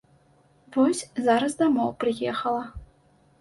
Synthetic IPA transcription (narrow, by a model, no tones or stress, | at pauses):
vɔsʲzaɾɐsd̪amɔwpɾɨjɛxɐlˠɐ